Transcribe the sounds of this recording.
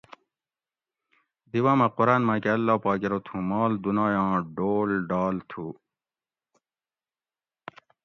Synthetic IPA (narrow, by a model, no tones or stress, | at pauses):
d̪iwãːmɐquɾaːnmakeɐlːɑːpɑːkiɾot̪ʰũmɑːld̪unɑːjɑ̃ːɖoːlɖɑːlt̪ʰuː